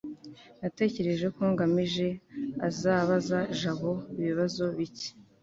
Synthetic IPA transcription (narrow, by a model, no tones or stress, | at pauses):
nate̞ːce̞ɾe̞ʒe̞koːŋɡamiʒe̞azaːβazaʒaβo̞iβiβazo̞βici̥